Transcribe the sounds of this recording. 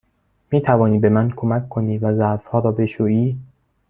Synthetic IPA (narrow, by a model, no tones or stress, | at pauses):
miːt̪ʰævɒːniːbe̞mænkʰo̞mækʰːoniːvæzæɾfhɒːɾɒːbe̞ʃuːiː